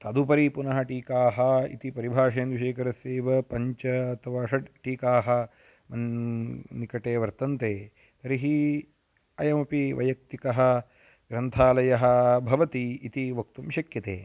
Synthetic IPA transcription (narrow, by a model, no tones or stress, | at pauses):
t̪ɐd̪upɐɾipunɐɦɐ̆ʈiːkaːɦɐḭt̪ipɐɾibʱaːʂeːnd̪ʋiʃeːkɐɾɐseːʋɐpɐɲt͡ʃɐɐt̪ʰɐʋaːʂɐʈʈiːkaːɦɐ̆ | mɐn | nikɐʈeːʋɐɾt̪ɐnt̪eː | t̪ɐɾiɦi | ɐjɐmɐpiʋɐ̰jɐk̚t̪ikɐɦɐ̆ | ɡɾɐnt̪ʰaːlɐjɐɦɐ̆bʱɐʋɐt̪iːt̪iʋɐk̚t̪umʃɐkjɐt̪ḛː